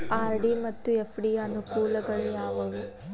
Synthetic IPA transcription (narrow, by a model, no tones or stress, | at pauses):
aːɾɖimɐt̪ːuefʰɖiɐnukuːlɐɡɐɭujaːʋɐʋu